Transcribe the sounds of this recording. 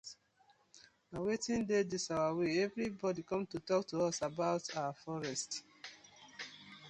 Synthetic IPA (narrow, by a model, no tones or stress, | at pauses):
nawetĩndedisawaweɛvɹibɔdikɔ̃mtutɔk̚tuɔsabaʊtʰawafɔɹɛst